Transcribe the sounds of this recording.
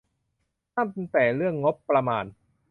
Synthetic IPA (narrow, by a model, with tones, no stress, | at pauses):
t̪ʰaː˥˩mpe˧ŋt̪ɛː˨˩ɾɯ˥˩əŋːo˦˥pːɾa˧maː˧n